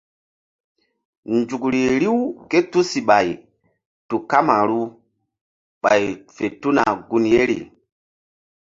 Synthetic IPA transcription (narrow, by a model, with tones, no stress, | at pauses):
nd͡ʒu˨kɾi˨ɾi˦wke˦tu˦si˨ɓa˨j | tu˨ka˦ma˨ɾu˦ | ɓa̰˨jfe˨tu˦na˨ɡu˦nje˦ɾḭ˨